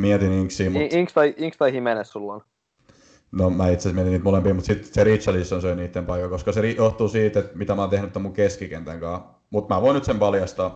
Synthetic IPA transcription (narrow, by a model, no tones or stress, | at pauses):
miɛt̪iniŋksiːmuiŋkst̪ɑiiŋkst̪ɑihimenessulon | nomæːit̪sesmiet̪iniːt̪molempiːmut̪sit̪serit̪ʃɑlisːonsøiniːt̪ːempɑikːɑkoskɑserijoht̪uːsiːt̪et̪mit̪æmɑːnt̪ehnyt̪ːomːuŋkeskikent̪æŋkɑ̃ː | mut̪mæːʋoinyt̪sempɑljɑst̪ɑː